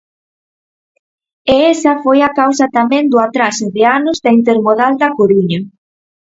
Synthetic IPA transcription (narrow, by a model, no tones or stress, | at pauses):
eɛsɐfojakawsɐt̪amɛ̃nd̪ʊat̪ɾasɪðɪanʊzðɐint̪̬eɾmoðald̪ɐkoɾiɲɐ